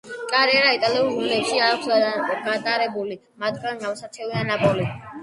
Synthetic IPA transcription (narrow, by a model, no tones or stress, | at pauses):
kʼaɾiɛɾait̪ʼaliulunlɛpʃiaːkʰsɡat̪ʼaɾɛbuli | mat̪ʰɡaniawsat̪sʰɛvianapʼɔli